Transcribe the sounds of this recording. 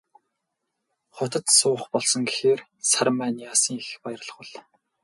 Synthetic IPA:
χɔt̪ə̆t̪sʊːχpɔɮsɞ̆ŋɡexeːrsarmæːniːasĭːŋexpajɪ̆r̆ɮə̥̆χwʊ̆ɮ

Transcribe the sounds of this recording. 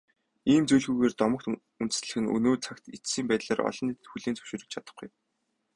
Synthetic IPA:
iːmt͡sujɮɣujɣeːrt̪ɔmɞ̆kt̪ | unt̪ɘ̥̆sɮɘ̆xɘ̆nɵ̰noːt͡sʰakt̪it͡ssiːmpæːt̪ɮaːrɔ̰ɮɞ̆nit̪xuɮiːnt͡sɵ̥wʃɪ̆ːɾə̆k̚t͡ɕʰat̪ə̥̆χɡṵj

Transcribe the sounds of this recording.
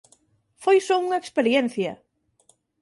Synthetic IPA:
fojsɔuŋɐekspeɾjɛn̟θjɐ̰

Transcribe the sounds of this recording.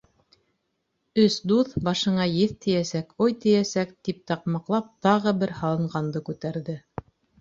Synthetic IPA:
ɵsd̪uðbɑʃɤ̆ɴɑjɘθt̪ɘ̆jæsækojt̪ɘ̆jæsækt̪ip̚t̪ɑqmɑqlˠɑp̚t̪ɑʁɤbɘɾhɑlˠɤ̆ɴɢɑnd̪ɤkʉt̪æɾðɘ

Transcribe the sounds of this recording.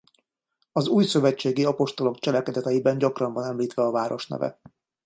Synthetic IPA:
ɒzuːjsø̞vɛt͡ʃːeːɡiɒpo̞ʃt̪o̞lo̞kt͡ʃɛlɛkɛd̪ɛt̪ɛjibɛɲɟɒkrɒɱvɒnɛmliːt̪ʋɛɒvaːɾo̞ʃnɛ̰vɛ̰

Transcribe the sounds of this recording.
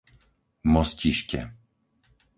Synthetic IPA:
mɔsciʃcɛ̰

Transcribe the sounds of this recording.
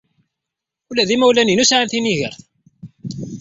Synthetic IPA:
ulæðimæwlæninusʕanθiniʝə̰ɾθ

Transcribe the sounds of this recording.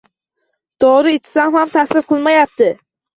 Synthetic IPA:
d̪̥ɒɾɪɪt͡ʃ̪ʰsamhamt̪ʰasɪɾqʰɨlˠmajap̚t̪ɪ

